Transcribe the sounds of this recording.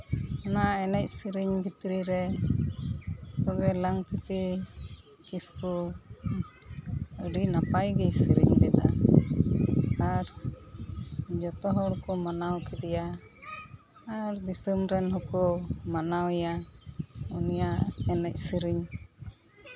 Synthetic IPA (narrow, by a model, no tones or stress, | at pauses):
ɔnaaɛnɛc̚ˀsəɾiɲbʱit̪ɾiɾɛ | t̪ɔbɛlaŋt̪it̪i | kisku | əɖinapajɡɛjsiɾiɲɡɛd̪a̰ | aɾ | d͡ʒɔt̪ɔɦɔɽkɔmanawkid̪ɛja | ɾd̪isəmɾɛnɦɔkɔmanawja | unijaɛnɛc̚səɾiɲ